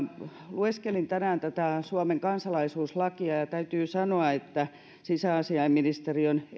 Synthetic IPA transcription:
lueskelint̪ænæːnt̪æt̪æsuɑmeŋkɑnsɑlɑisuːslɑkiɑjɑt̪æyt̪yːsɑnoɑet̪ːæ | sisæɑsiɑimminist̪erion

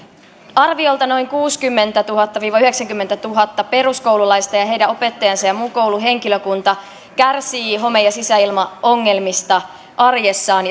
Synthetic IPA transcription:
ɑrʋio̞lt̪ɑno̞jŋkuːskymːe̞nt̪æt̪uɦɑt̪ːɑʋiːʋɑyhe̞ksæŋkymːe̞nt̪æt̪uɦɑt̪ːɑpe̞ɾusko̞wlulɑjst̪ɑjɑɦe̞jdæo̞pe̞t̪ːɑjɑnsɑjɑmuːko̞wluɦe̞ŋkiløkunt̪ɑ | kærsiːɦo̞me̞jɑsisæilmɑo̞ŋːe̞lmist̪ɑ | ʔɑrjesːɑːn

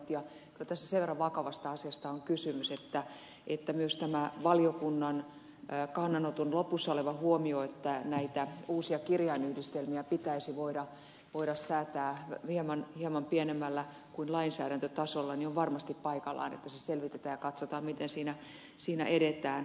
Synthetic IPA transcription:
t̪jɑ | kylæt̪æsːæ̥seʋerːɑʋʋɑkɑʋɑst̪ɑɑsiɑst̪ɑoŋkysymyset̪ːæ | ʔet̪ːæmyøst̪æmæʋɑliokunːɑn | kɑnːɑnot̪onlopːusːɑoleʋɑhuomioet̪ːænæit̪æuːsiɑkirjɑinyhdist̪elmiæpit̪æisiʋoiɾɑ | ʋoiɾɑssæːt̪æːhiemɑnhiemɑmpienemːælːæ | kuinlɑinsæ̰ːɾænt̪øt̪ɑsolːɑnioʋʋɑrmɑst̪ippɑikɑlːˑɑ̰inḛt̪ːæseselʋit̪et̪æːjɑkɑt̪sot̪ɑːmmit̪ensiːnæ | siːnæ̰ʔeɾet̪æːn

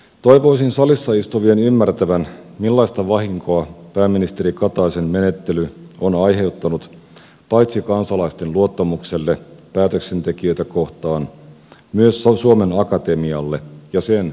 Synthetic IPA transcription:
t̪o̞jʋo̞isinsɑlisːɑist̪oʋienymːært̪æʋænmilːɑjst̪ɑʋɑɦiŋkoɑpæːmːinist̪eɾikɑt̪ɑisemme̞ne̞t̪ːe̞lyonɑjɦe̞wt̪ːɑnut̪ | pɑjt̪sikɑnsɑlɑist̪e̞nluot̪ːɑmukse̞lːe̞pæːt̪ø̞kse̞nt̪e̞kiø̞jt̪æko̞ht̪ɑːn | myøssuome̞nɑkɑt̪e̞miɑlːe̞jɑse̞n

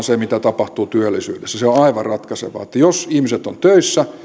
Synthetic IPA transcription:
nsemit̪æt̪ɑpɑht̪uːt̪yølːisy̰ːdesːæseoɑiʋɑrrɑt̪kɑsḛʋɑ̰ːet̪ːæjosihmiset̪ːont̪øisːæ

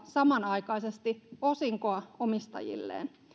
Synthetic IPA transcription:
sɑmɑnɑikɑisest̪iosiŋkoɑomist̪ɑ̰jḭlːḛːn

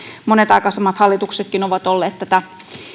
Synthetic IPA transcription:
monet̪ɑikɑːˑsemːɑt̪hɑlːit̪ukset̪̚kinoʋɑt̪olːeːt̪t̪æt̪æ

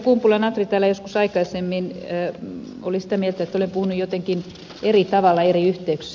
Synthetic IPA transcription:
kumpulɑnɑt̪rit̪æːlːæjoskusɑikɑisemːinː | olisi̥t̪æmielt̪æet̪ːolempuhunujot̪eŋkin | erit̪ɑʋɑlːˑɑeriyht̪eyks

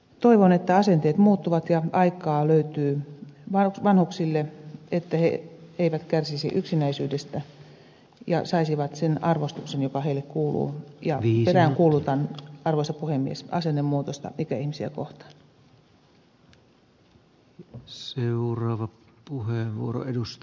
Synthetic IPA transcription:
t̪oiʋonet̪ːæɑsent̪eːt̪muːt̪ːuʋɑt̪jɑɑikˑɑːløyt̪yːʋɑʋɑnhuksilːeet̪ːæhḛeiʋæt̪kærsisḭʔyksinæisyːdest̪æ | jɑ̰sɑisiʋɑt̪senɑrʋost̪uksenjokɑheilekkuːlṵːjɑeræŋkuːlut̪ɑnɑrʋoisɑpuhemːiḛsɑ̰senːemmuːt̪ost̪ɑ̰ikæihmisiæ̰koht̪ɑ̥n | seurɑːʋɑ | puheeʋʋṵoɾo̰edust̪

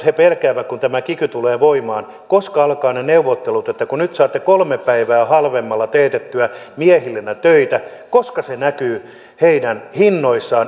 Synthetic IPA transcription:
hepelkæːʋækkunt̪æmækikyt̪uleːʋoimɑːn | koskɑɑlkɑːneneuʋot̪ːelut̪et̪ːækunyt̪sɑːt̪ːekolmepæiʋæːhɑlʋemːɑlːɑt̪eːt̪et̪ːyæmiɛhilːenːæt̪øit̪ækoskɑsenækyː | heinænhinːoisːɑː

